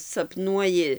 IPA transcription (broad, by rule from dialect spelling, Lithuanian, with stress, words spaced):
sɐpˈnuɔjɪ